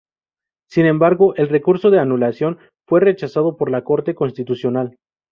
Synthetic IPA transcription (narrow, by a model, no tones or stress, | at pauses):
sinẽ̞mbaɾɣo̞ʔe̞lre̞kuɾso̞ðe̞anulasjo̞n | fwe̞re̞t͡ʃasað̞o̞po̞ɾlako̞ɾt̪e̞ko̞nst̪it̪usjo̞nal